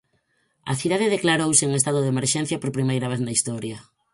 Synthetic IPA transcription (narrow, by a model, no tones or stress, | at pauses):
ɐ̰θiðaðɪðeklaɾowsɪŋest̪aðʊðemeɾʃɛn̟θjɐpoɾpɾimejɾɐβ̞eθnɐist̪ɔɾjɐ